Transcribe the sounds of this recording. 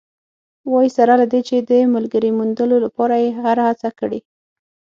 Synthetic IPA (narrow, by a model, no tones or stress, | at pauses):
wɑjisaɾalad̪et͡ʃed̪əmalɡəɾimund̪əlolapɑɾajehaɾahat͡sakəɽi